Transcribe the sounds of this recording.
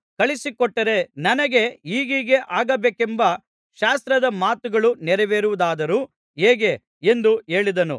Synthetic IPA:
kɐɭisikɔʈːɐɾe̞nɐnɐɡe̞iːɡiɡe̞ʔaːɡɐbeːkembɐ | ʃaːst̪ɾɐd̪ɐmaːt̪uɡɐɭunɛɾɛʋeːɾuʋud̪aːd̪ɐɾuː | ɦeːɡe̞ | e̞nd̪ue̞ːɭid̪ɐnṵ

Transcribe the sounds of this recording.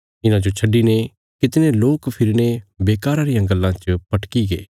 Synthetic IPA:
ɪnãd͡ʒot͡ʃʰɐɖːine | kɪt̪ɪneloːkpʰɪɾnebeːkaːɾaɾijãɡɐlːãt͡ʃəpɐʈkiɡeː

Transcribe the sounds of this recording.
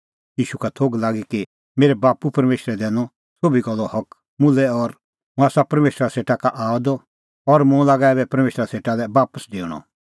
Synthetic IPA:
jiːʃukat̪ʰoːɡlaːɡiki | meːɾɛbaːpupɐɾmeːʃɾɛd̪ɛ̃ːñɔ | sobʱiɡɔlːɔhɐk | mʊlɛɔɾ | mũaːsapɐɾmeːʃɾaseːʈakaʔaːɔd̪ɔ | ɔɾmũlaːɡaɛːbɛpɐɾmeːʃɾaseːʈalɛbaːpəsd̪eːɽ̃ɔ̰

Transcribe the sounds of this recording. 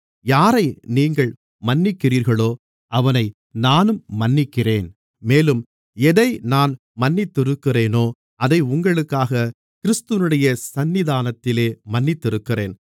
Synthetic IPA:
jaːɾɐɪniːŋɡɐɭ | mɐnːɪkːɪriːɾɣɐɭoː | ʔɐʋɐnɐɪ | naːnɯmːɐnːɪkːɪreːn | meːlɯm | ɛðɐɪnaːn | mɐnːɪt̪ːɪɾɯkːɪreːnoː | ʔɐðɐɪʊŋɡɐɭɯkːaːɣɐ | kɪɾɪst̪ɯʋɪnɯɽɐjɐsɐnːɪðaːnɐt̪ːɪleːmɐnːɪt̪ːɪɾɯkːɪreːn

